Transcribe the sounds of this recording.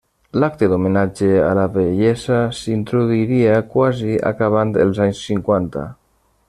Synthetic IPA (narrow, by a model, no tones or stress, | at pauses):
lakt̪ed̪omenad͡ʒea̰laβeʎɛzasint̪ɾoðuiɾiakwazia̰kaβ̞ant̪ḛlˠzaɲsːiŋkwant̪a̰